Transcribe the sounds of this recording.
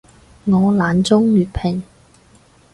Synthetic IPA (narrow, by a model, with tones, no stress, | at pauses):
ŋɔː˨˧laː˨˥nt͡sʊ˥ŋlyː˨t̚pʰɪ˨˩ŋ